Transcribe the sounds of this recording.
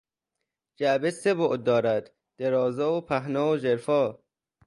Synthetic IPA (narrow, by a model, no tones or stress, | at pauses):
d͡ʒæbeseboʔd̪̚ːɒːɾæd̪̥ | d̪̥eɾɒːzɒːopʰæɦnɒːod͡ʒeɾfɒː